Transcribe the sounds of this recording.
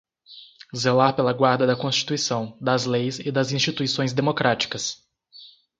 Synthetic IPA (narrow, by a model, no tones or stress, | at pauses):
zelaɾpelɐɡwaɾd̪ɐd̪ɐkõst͡ʃi̥t̪uisɐ̃w̃d̪ɐzlejzɪd̪ɐzĩst͡ʃit̪uisõj̃zd̪emokɾat͡ʃi̥kɐs